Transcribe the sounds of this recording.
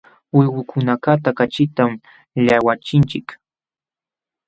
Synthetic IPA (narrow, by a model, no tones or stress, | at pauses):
wɪwʊkʰʊnakat̪akat͡ʃɪt̪am | ʎawat͡ʃɪnt͡ʃɪk